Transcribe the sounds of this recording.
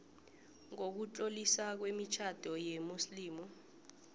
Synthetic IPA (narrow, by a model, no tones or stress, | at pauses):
ŋok̬ut͡ɬʼolisak̬wemit͡ʃʰad̥ʱɔjemusliːmu